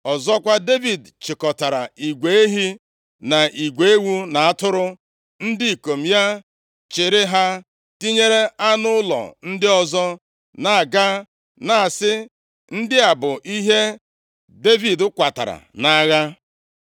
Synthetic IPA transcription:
ɔ˨zɔ˦kʷa˦de˦vi˨dt͡ʃɪ˨kɔ˨ta˨ɾa̰˨i˨ɡʷe˨˦e˦ɦi˦ | na˨ʔi˨ɡʷe˨e˦wu˦na˨a˦˨tʊ˦ɾʊ˦ | n̩˦dɪ˦˨ko˨m̩˨ja˦ | t͡ʃɪ˨ɾɪ˦ɦa˦ | ti˦ɲe˦ɾe˦a˦nʊ˦ʊ˦lɔ̰˨n̩˦dɪ˦ɔ˨zɔ˦ | na˨a˨ɡa˦ | na˨a˨sɪ˦ | n̩˦dɪ˦a˨bʊ˨ʔi˦ɦe˦ | de˦vi˨dʊ˦kʷa˨ta̰˨ɾa̰˨na˨˦ɣa˦

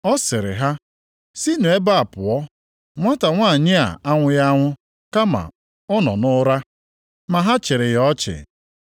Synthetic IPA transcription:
ɔ˦sɪ˨ɾɪ̰˨ɦa˦ | si˦ne˨e˦ba˦a˨pʊ˨ɔ˦ | ŋʷa˦ta˨ŋʷa˦˨ɲɪ˦a̰˨a˦ŋʷʊ˦ja˦ŋʷʊ˦ | ka˦ma̰˨ | ɔ˦nɔ̰˨nʊ˦ɾa˦ | ma˨ɦa˦t͡ʃɪ˨ɾɪ˨jɔ˦t͡ʃɪ̰˨

